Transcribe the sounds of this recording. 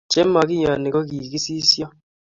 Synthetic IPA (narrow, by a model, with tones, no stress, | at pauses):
t͡ʃɛ˦ma˨ki˦ɲa˨ni˨kɔ˦k̬i˨ki˦si˦sjɔ˦